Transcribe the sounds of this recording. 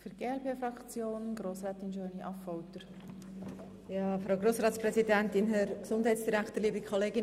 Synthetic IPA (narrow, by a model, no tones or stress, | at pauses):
fyɾɡ̥eːɛlpeːfɾɑkt͡sjoːnəɡ̥ɾoːsɾɛːt̪ɪnʃøːniʔɑfɔwt̪əɾ | jɑːfɾaʊɡroːsɾɑːtspɾɛsidɛntɪnɦɛɾksʊnd̥ɦɛɪtsd̥iɾækt̪əɾliːbikʰχɔleːɡɪn